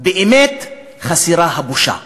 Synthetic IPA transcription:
beʔemet̪ | χasiɾaɦabuʃa̰

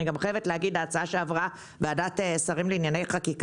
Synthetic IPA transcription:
niɡamχajevetlehaɡid̪aːt͡saaʃeavʁa | beadat̪esaʁimleinjane̞jχakik

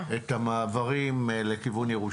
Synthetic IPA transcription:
et̪amaːvaʁimlekivunjeʁu

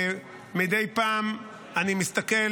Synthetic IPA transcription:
mid̪ejpaːm | animist̪ake

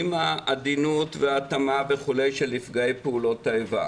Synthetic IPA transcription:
imaːd̪inutveatamaveχule̞jʃelifɡaepeulo̞t̪ːaeva̰

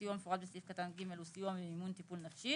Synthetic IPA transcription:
ijuamefuʁad̪̚besifkat̪anɡimelusijuameimunt̪ipulnafʃi

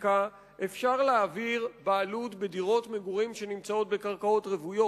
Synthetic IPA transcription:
ka | ʔefʃaʁleaːviʁbaːlutbediʁo̞tmeɡuʁimʃe̞nimt͡sao̞t̚be̞kaʁkao̞tʁevujo

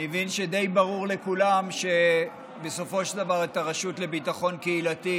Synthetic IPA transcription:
evinʃe̞d̪e̞jbaʁuʁle̞kulamʃe̞ | beso̞fo̞ʃld̪avaʁetaʁaʃutle̞bitaχo̞nkeilati

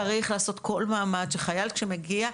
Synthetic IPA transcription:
ʁiχlaːso̞t̪kʰo̞lmaːmadʃeχajalkʃemeɡia

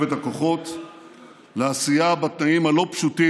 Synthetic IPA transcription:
vet̪ako̞χo̞t̪ | leasijabat̪naimhalo̞pʃuti

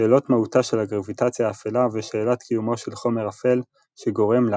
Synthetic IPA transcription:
eːlo̞tmahutaʃelaɡʁavitat͡sjaːfelaveʃeːlotkʰijumo̞ʃe̞lχo̞me̞ʁafe̞l | ʃeɡo̞ʁe̞ml

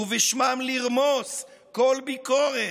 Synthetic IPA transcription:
uvɛʃmamliʁmoskolbikoʁe

